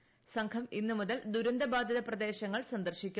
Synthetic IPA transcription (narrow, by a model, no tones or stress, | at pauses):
sɐŋkʰɐminːɨmuðɐld̪uɾɐnd̪ɐbaːd̪jɐðɐprɐd̪e̞ːɕɐŋːɐɭsɐnd̪ɐrɕikʲːu